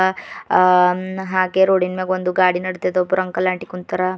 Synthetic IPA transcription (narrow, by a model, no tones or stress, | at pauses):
ɦaːɡeɾoːɽinmeːɡond̪uɡaːɽinɐɽt̪ɐd̪obuɾɐŋkɐlaːɳʈikunt̪ːɐɾɐ